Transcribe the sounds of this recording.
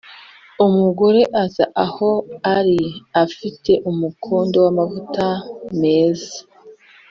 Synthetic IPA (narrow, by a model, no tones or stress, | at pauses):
umuɡo̞ɾe̞ʔaza̰ʔaho̞aɾiafitʰe̞ʔumukʰoːndo̞wamavutame̞ːzḁ